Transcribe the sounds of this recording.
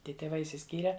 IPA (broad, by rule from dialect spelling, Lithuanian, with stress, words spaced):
ˈtʲiɛ tʲeːˈʋɐɪ ɪʃʲsʲɪˈsʲkʲiːrʲɛ